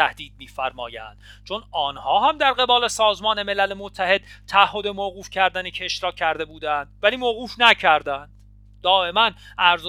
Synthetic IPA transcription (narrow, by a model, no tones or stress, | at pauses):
æhd̪̥iːd̪̚miːfæɾmɒ̰ːjæ̰nd̪̥t͡ʃʰo̞nɒːnhɒːɦæmd̪æɾɢe̞bɒːle̞sɒːzmɒːne̞me̞lælemot̪ʰːæhe̞d̪̥t̪ʰææhːo̞d̪emoːɣuːfcʰæɾd̪ænecʰe̞ʃɾɒːcʰːæɾd̪e̞buːd̪ænd̪̥væliːmoɣuːfnæcʰæɾd̪ænd̪̥̚ | d̪̥ɒːe̞mænʔæɾz